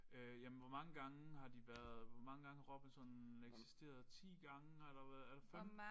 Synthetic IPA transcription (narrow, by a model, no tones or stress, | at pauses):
øjæmnʋɒmɑ̈ŋəɡ̥ɑ̈ŋəhɑ̈d̥iʋæɐðˠʋɒmɑ̈ŋəɡ̥ɑ̈ŋəhɑʁɒ̽b̥̩sɒ̽neɡ̥si̥sd̥e̝̰ːɐð̞ˠt͡sʰḭːɡ̥ɑ̈ŋəelɐʋæelɐfem̰